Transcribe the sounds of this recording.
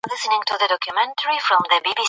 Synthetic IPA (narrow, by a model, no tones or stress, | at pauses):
lɪsənɪ̃ŋtʰuðədɔkʰjumɛ̃ntʰəɹifɹɔ̃mðəbibi